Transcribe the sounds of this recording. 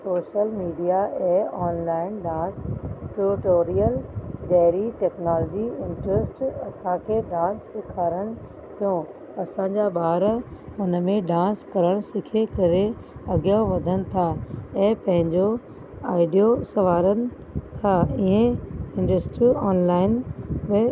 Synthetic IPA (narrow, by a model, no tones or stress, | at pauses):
soːʃəlmiːɖijaɛːɔːnlaːɪnɖãːsʈuɾɪʈoːɾijəld͡ʑɐɦɾiʈɛːknaːlɔːd͡ʑiɪ̃ɳʈɾɪsʈɐsãkʰeːɖãːsːɪkʰaːɾəɽ̃ɪ̆ | t̪ʰijõ | ɐsãɲd͡ʑabaːɾɦʊnəmẽɖãːskɐɾəɽ̃sɪkʰekɐɾeɐɡijaʋɐd̪ʱəñɪ̆t̪ʰaɛ̃ːpɐ̃ɦɪ̃ɲd͡ʑo | aːɪɖijosɐʋaːɾənɪ̆ | t̪ʰaiɦẽɪ̃ɳɖəsʈɾiɔːnlaːɪnmẽ